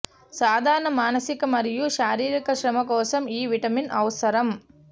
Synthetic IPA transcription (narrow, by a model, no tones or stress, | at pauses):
saːd̪ʱaːɾɐnɐmaːnɐsɪkɐmɐɾɪjuʃaːɾiːɾikɐʃɾɐmɐkoːsɐmiːʋɪʈɐmɪnʔɐ̰ʋɐsɐɾɐm